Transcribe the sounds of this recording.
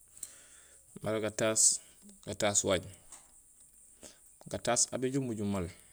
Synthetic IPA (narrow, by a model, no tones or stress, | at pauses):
malaɡatas | ɡataswaɟ | ɡatasa̰beɟumːuɟumːal